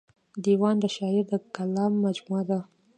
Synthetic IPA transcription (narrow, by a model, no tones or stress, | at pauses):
d̪iwɑnd̪əʃɑɪɾd̪əkalɑmːad͡ʒmuad̪a